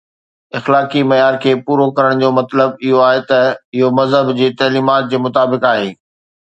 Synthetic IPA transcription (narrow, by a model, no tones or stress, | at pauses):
ɪxlaːkimɐjaːɾkʰeːpuːɾokɐɾəɽ̃d͡ʑoːmɐt̪ləbɪɦoaːɦet̪ɐɪɦomɐzɦəbd͡ʑeːt̪ɐːliːmaːt̪̚d͡ʑeːmʊt̪aːbɪkaːɦeː